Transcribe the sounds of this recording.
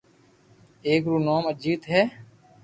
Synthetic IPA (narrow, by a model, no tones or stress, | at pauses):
eːkɾuːnoːməd͡ʒiːt̪ɦɛː